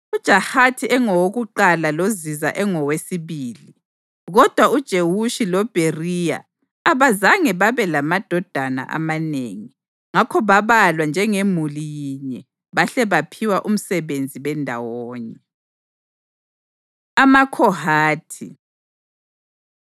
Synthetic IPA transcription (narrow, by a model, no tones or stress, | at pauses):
ud̥ʒ̥ʱahatʰiʔɛŋɔwoɣuǃalaloziza̰ʔɛŋɔwesiβiːli | ɣɔd̥ʱwaud̥ʒ̥ʱewuʃilɔb̥ʱerija̰ | aβazaŋɛβaβɛlamad̥ʱɔd̥ʱana̰ʔa̰manḛːŋi | ŋakʰɔβaβalwand͡ʒʱɛŋemulijiɲɛ | βaɬɛβapʰiwaʔum̩sɛβend͡zʱiβɛndʱa̰wɔːɲɛ | amakʰɔhaːtʰi